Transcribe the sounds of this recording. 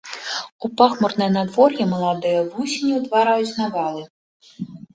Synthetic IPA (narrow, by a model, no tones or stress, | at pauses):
upaxmɔrnɨjɐnad̪vɔrjɛmɐlˠad̪ɨjɐvusʲinʲiwd̪vaɾajut͡sʲzʲnavalˠɨ